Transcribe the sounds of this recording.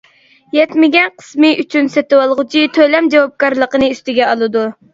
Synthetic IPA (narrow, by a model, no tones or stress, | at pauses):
jɛt̪mɪɡʲɛnqʰə̥smɨʔyt͡ʃʰynsɛt̪ɨwɑlˠʁʊt͡ʃʰit̪ʰølɛmd͡ʒɑwɑp̚kɑɾlˠəqənɨyst̪ɪɡʲɛɑlˠɨd̪u